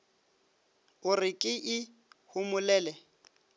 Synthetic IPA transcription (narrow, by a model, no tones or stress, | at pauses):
ʊrɪkʼɪʔɪ | hʊmʊlɛːlɛ